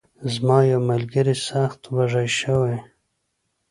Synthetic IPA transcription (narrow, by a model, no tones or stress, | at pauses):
zmɑjawmalɡəɾisaxt̪waʐajʃawa